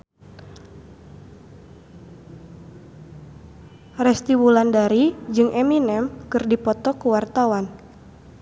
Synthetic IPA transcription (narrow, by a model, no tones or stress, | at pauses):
rɛst̪iwulandaɾid͡ʒɨŋʔɛminɛmkɨrdipɔt̪ɔkuwart̪awan